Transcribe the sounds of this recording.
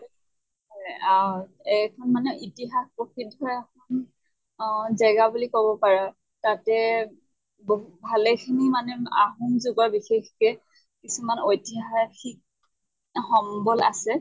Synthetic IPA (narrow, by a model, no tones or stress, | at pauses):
ɔjaɛkʰɔnmanɛʔitiɦaxpokʰidɔjakʰɔn | zɛɡabulikɔbɔpaɹa | tatɛ | boɦutbʱalɛkʰinimanɛa̰ɦunzuɡɔɹbixexkɛ | kisumanojtiɦaɹxʰik̚ | xɔmbɔla̰sɛ